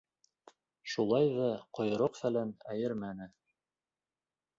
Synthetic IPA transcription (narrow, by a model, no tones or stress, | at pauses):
ʃulˠɑjðɑqŏjɤ̆ɾoqfælænæjɘɾmænɘ